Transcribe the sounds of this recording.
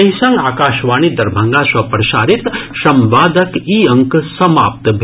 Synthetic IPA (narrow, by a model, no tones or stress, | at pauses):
ɐɦisɐŋɡaːkaːʃʋaːnid̪ɐɾbʱɐŋɡaːsɐpɾɐʃaːɾit̪ʃɐmʋaːd̪ɐkiːɐŋksɐmaːp̚t̪bʱ